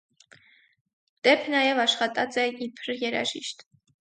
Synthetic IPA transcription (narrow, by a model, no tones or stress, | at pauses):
d̪̥ɛpʰnɑjɛvɑʃχɑt̪ʼɑt͡sʼɛipʰəɾjɛɾɑ̰ʒiʃt̪